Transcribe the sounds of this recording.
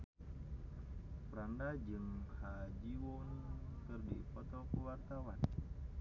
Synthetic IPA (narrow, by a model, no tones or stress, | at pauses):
pəɾandad͡ʒɨŋhad͡ʒiwoŋkɨrdḭpɔt̪ɔkəwart̪awan